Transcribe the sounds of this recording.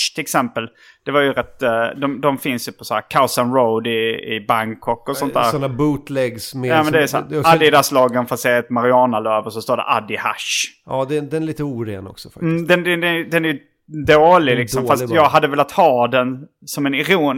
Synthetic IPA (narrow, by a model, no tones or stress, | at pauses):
t̪ʰɪlɛksɛmpəl | d̪̥ɛvaɾjɵɾɛt̪ːd̪ɔmd̪ɔmfɪnsjɵpʰɔsahæ̰ːɾkʰasanɾoʊd̪ɪɪ̰baŋkʰɔkːɔsɔnt̪d̪æːɾnabuːt̪lɛɡsmɛjaːmɛnd̪ɛsad̪ɪd̪æslɑːɡənfat̪sɛːɛt̪maɾɪɑːnaløːvəʂɔst̪oːɖɛ̰ʔad̪ɪha̰ʂɑd̪ɛd̪ɛnliːt̪əuːɾḛːnɔ̰ksɔ̥fakm̩ːd̪ɛnɛd̪ɛd̪ɛnæɾjɵ | d̪oːlɪlɪksɔmfast̪jɑːɡɦad̪ːəvɛːlat̪hɑːd̪ɛn | sɔmɛnɪɾuːn